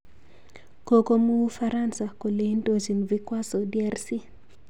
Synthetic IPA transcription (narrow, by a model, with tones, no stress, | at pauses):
ko˨ko˦mu˦u˦fa˦ɾa˦nsa˨ko˨le˦ndo˦d͡ʒi˨nvi˦kwa˦so˨dɪ˦ɛ˦rsi˦